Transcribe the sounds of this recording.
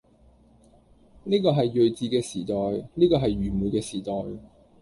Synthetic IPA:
niː˥kɔː˧ɦɐ˨jːɵ˨ɥt͡siː˨˧kɛː˧siː˨˩t̪ɔː˨jniː˥kɔː˧ɦɐ˨jɥyː˨˩muː˨˧jkɛː˧siː˨˩t̪ɔː˨j

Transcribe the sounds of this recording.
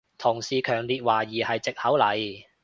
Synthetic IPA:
t̪ʰʊ˨˩ŋsiː˨kʰœː˨˩ŋliː˨t̚waː˨˩jiː˨˩hɐ˨jt͡sɪ˨k̚hɐ˨˥wlɐ˨j

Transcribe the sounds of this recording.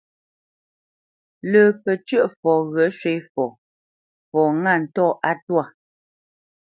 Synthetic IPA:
ləː˨pɛ˨t͡ʃə˦ʔfɔː˨ɣɰə˨˦ʃwe˦jfɔ˨ | fɔː˨ŋa˦˨n̩˨tɔː˦˨ʔa˦twa˦˨

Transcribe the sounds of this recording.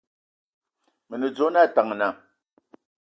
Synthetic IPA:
mɛ˨ne˨d͡zo˨˦na˦˨ta˨ŋ˨na˨

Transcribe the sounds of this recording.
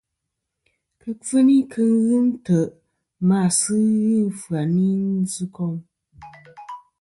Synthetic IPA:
kə˨fɨ˦ni˦kʰɨ˦n˦wɨ˦mtə˨ | maː˨sɨ˦ɣɨ˦n˨fu˨a˨ni˦n̩˦zɨ˦kɔ˦ŋ

